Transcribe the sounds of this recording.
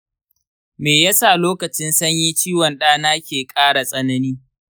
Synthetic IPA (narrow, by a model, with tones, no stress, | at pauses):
meː˨ja˦sa˦˨loː˦kɐ˨t͡ʃɪ˦nsɐ˦ɲjiː˦t͡ʃiː˦wɐ˨nɗaː˦naː˦kʲeː˨kʼaː˦ɽa˨sʼɐ˦nɐ˦niː˦